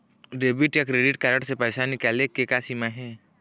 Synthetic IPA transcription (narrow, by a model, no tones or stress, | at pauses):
ɾeːbiʈjakɾeːɖɪʈkaːɾə̃ʈsepɛːsanɪkaːlekekasiːmaɦɛː